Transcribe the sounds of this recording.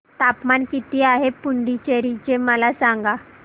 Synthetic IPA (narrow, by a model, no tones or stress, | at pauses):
t̪apmankit̪iːaɦepuɳɖit͡ɕeɾit͡ɕeməlasaŋɡa